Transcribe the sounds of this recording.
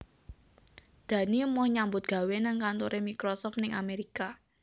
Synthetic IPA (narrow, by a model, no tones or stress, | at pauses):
d̪̥ä̤nimɔhɲambʊt̪̚ɡ̥ä̤wenaŋkant̪oɾʔemikɾɔsɔft̪nɪŋa̰meɾika